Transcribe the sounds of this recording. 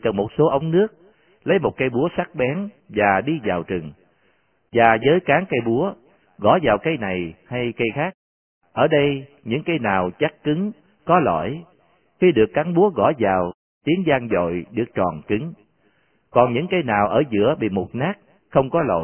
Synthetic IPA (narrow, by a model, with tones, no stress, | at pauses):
kə˨˩nmo˨˩t̚so˨˦ʔə˨˦wŋ͡mnɨ˦˥ək̚ | lə˨˦jmo˨˩t̚kaː˨˧jɓu˨˦əsa˦˥k̚ɓɛ˨˦n | vaː˨˩ɗi˧zaː˨˩wt͡ɕɨ˨˩ŋ | vaː˨˩zəː˨˦jkaː˨˦ŋkə˧jɓu˨˦ə | ɣɔ̰˧˥˦zaː˨˩wkə˧jna˨˩jha˧jkə˧jxaː˦˥k̚ | ʔəː˧˩ɗə˧j | ɲɨ̰˧˥ŋkə˧jnaː˨˩wt͡ɕa˦˥kkɨ˨˦ŋ | kɔ˨˦lɔ̰˧˩˨j | xi˧ɗɨ˨˩əkːa˨˦ŋɓu˨˦əɣɔ̰˧˩zaː˨˩w | t̪i˨˦ənzaː˧ŋzo̰˧˨jɗɨ˨˩ək̚t͡ɕɔ˨˩nki˨˦ŋ | kɔ˨˩nɲɨ̰˧˥ŋkə˧jnaː˨˩wʔəː˧˩zɨ̰˧˥əɓḭ˧˨mo˨˩t̚naː˦˥k̚ | xə˧wŋ͡mkɔ˨˦lo̰˧˨